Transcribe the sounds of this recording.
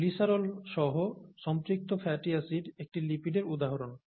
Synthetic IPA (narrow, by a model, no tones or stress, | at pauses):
lisaɾolʃɔɦoʃɔmt̪ɾik̚t̪ofʰɛʈiasiɖek̚ʈilipiɖeɾud̪aɦaɾon